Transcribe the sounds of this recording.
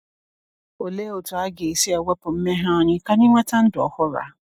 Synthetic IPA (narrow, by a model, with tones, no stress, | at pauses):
o˨le˦˨o˨tʊ˨a˦ɡe˨i˨si˦ɛ˨wɛ˦pʊ˨m̩˦me˦ɦã˦ɔ˨˦ɲɪ̃˦ka˦nĩ˦mã˦ta˦n̩˦dʊ˨ɔ˦hɔ˦ɾa̰˨˦